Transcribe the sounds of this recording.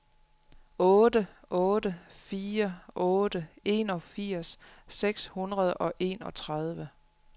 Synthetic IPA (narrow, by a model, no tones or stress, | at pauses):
ɔ̽ːd̥əʔɔ̽ːd̥əfiːɐʔɔ̽ːd̥əe̝̰ːnɒ̽fiɐ̰sːeɡ̥shunʁɐð̞ˠʔɒ̽ʔe̝ːnɒ̽t͡sʰʁað̞ˠʋə